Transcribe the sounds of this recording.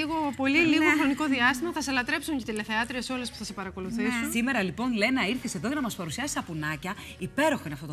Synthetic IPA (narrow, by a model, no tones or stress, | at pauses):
iɣopo̞liliɣoxɾo̞niko̞ðiɐst̪imɐθɐselɐt̪ɾe̞psuɲcet̪ileθeɐt̪ɾieso̞le̞spu̥θɐse̞pɐɾɐko̞luθisusime̞ɾɐlipo̞nle̞nɐiɾθise̞ðoʝɐnɐmɐspɐɾusiɐsi̥st̪ɐpunɐcɐ | ipe̞ɾo̞xoineɐft̪o̞t̪